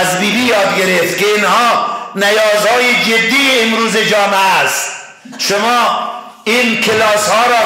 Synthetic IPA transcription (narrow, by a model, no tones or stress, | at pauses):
zbiːbiːjɒːd̪̚ɡeɾeft̪keinhɒːnæjɒːzhɒːjed͡ʒed̪ːiːmɾuːzed͡ʒɒːmææst̪ | ʃomɒː | iːnkʰelɒːshɒːɾɔː